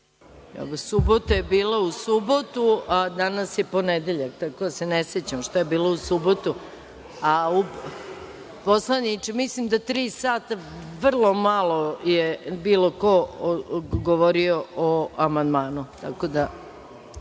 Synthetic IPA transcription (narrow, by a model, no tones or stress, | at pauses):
o̰osubot̪ajebiːlausubot̪uad̪anasjeponed̪eʎakt̪ako̞d̪aseneset͡ɕamʃt̪ojebiːlousubot̪u | au | poslanit͡ʃemislimd̪at̪ɾiːsaːt̪aʋr̩lˠo̞malojebiːloko | ɡoʋoɾioʔoamand̪maːnut̪akod̪a